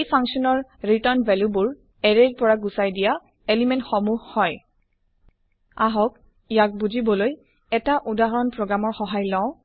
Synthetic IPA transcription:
ejpʰaŋksɔnɔɹɹitɔɹnbɛljubʊɹ | ɛɹeɹpɔɹaɡusajdija | elimɛntxɔmuhhɔj | aɦɔk̚ | ijak̚buzibɔloj | ɛtaʔudaɦɔɹɔnpɹoɡɹamɔɹxɔɦajlɔ̃ʊ̃

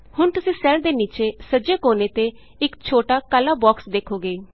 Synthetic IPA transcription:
hʊɳt̪ʊsĩːsɛːld̪eːniːt͡ʃeːsəd͡ʒeːkoːneːt̪eː | ɪkt͡ʃʰoːʈaːkəlaːbɔːksd̪eːkʰːoːɡeeː

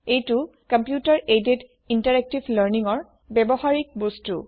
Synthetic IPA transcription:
ejtu | kampjutaɹedet | intaɹɛk̚tibʱləɹniŋɔɹ | bɛbɔhaɹik̚bostu

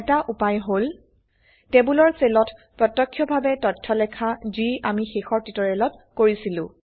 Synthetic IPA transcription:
ɛtaʔupajɦol | tɛbulɔɹselɔtpɹɔtɔkʰːjɔbʱabɛtɔtʰːɔlɛkʰaziamixexɔɹtitɔɹɛlɔt | koɹisilʊ̃

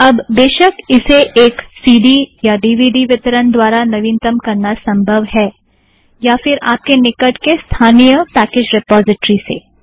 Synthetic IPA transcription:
ɐbd̪eːʃəkɪseʔeːksiːɖijaɖiːʋiːɖiʋɪt̪ɾənd̪waːɾanɐʋĩːnt̪əmkɐɾnasɐ̃mbʱəʋɦɛː | jafɪɾa̰ːp̚kenɪkəʈkest̪ʰaːnijəpɛːkeːd͡ʒɾɪpɔːzɪʈɾisḛː

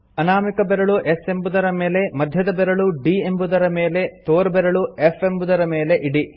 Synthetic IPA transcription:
ɐnaːmikɐbeɾɐɭuʔese̞mbud̪ɐɾɐmeːle̞mɐd̪ʱjɐd̪ɐbɛɾɐɭuɖiːembud̪ɐɾɐmeːle̞t̪oːɾbɛɾɐɭuefe̞mbud̪ɐɾɐmeːle̞ʔiɽi

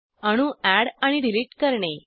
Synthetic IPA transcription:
əɽ̃ũʔæɽaɽ̃iɖiliːʈkəɾɳe

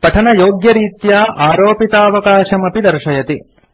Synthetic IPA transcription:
pɐʈʰɐnɐjoːɡjɐɾiːt̪jaːʔaːɾoːpit̪aːɐʋɐkaːʃɐmɐpid̪ɐɾʃɐjɐt̪i

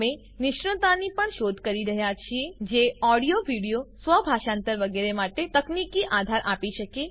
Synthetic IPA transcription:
me | nɪʃɾət̪anipəɳʃod̪ʱkəɾiɾəɦjat͡ʃʰied͡ʒeɔɽijoʋʱiɽijosʋəbʱaʃãnt̪əɾʋəɡeɾemaʈet̪əknikiʔad̪ʱaɾʔapiʃəke

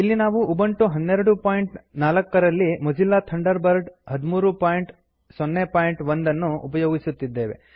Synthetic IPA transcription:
ilːinaːʋuʔubɐɳʈuɦɐnːeɾɐɽupaːjiɳʈnaːlɐkːɐɾɐlːimɐd͡ʒilːaːt̪ʰɐɳɖɐɾbɐɾɖɦɐd̪umuːɾupaːjiɳʈ | sɔnːepaːjiɳʈʋɐnd̪ɐnːuʔupɐjoːɡisut̪ːid̪ːe̞ːʋe̞̰

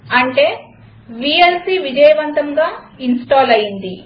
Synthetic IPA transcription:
ɐɳʈe̞ː | ʋiːelsiːʋid͡ʒɐjɐʋɐnt̪ɐŋɡaː | insʈaːlɐjind̪i

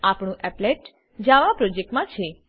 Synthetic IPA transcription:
apɳũʔɛpleʈ | d͡ʒaʋapɾɔd͡ʒek̚ʈmãt͡ʃʰe

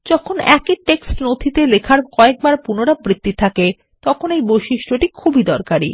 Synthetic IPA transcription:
d͡ʑɔkʰonɛ̰kiʈeksʈnod̪ʱit̪elekʰaɾkɔek̚baɾpunoɾabɾit̪ːit̪ʰake | t̪ɔkʰonejbojʃiʃʈʰoʈikʰubid̪ɔɾkaɾḭ

